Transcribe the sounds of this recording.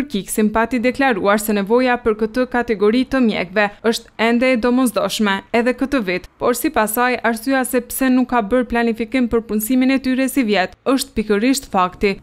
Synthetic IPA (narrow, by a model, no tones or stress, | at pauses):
əɾkiksimpat̪id̪ɛklaɾuaɾsɛnɛvɔjapəɾkət̪əkat̪ɛɡɔɾit̪əmjɛ̰kvɛəʃt̪ɛnd̪ɛːd̪ɔmɔzd̪ɔʃmɛɛðɛkət̪əvit̪pɔɾsipasajʔaɾsyasɛpsɛnukːabəɾplanifikimpəɾpunsiminɛt̪yɾɛsivjɛt̪əʃt̪̚pikəɾiʃt̪fakt̪i